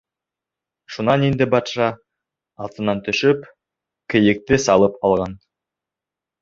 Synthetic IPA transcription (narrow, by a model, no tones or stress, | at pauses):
ʃunɑnind̪ɘbɑt̪ʃɑ | ɑlˠt̪ɤ̆nɑnt̪ɵ̆ʃɵp | kɘ̆jɘ̆k̚t̪ɘsɑlˠɤpɑlˠʁɑn